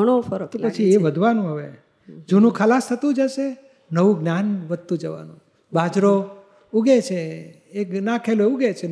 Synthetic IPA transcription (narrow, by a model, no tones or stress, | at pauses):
əɽ̃ofəɾt̪opət͡ʃʰieʋəd̪ʱʋanũɦəʋe | d͡ʒunũkʰəlast̪ʰət̪ũd͡ʒaʃe | nəʋũɡnjanʋəd̪̚t̪ũd͡ʒəʋa̰nũ | bʱad͡ʒɾo | uɡet͡ʃʰe | eknãkʰeloeuɡet͡ʃʰe